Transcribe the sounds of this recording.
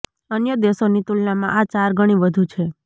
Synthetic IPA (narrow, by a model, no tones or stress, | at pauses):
ənjəd̪esonit̪ulnamã̰ʔat͡ʃaɾɡʱəɽ̃iʋəd̪ʱũt͡ʃʰe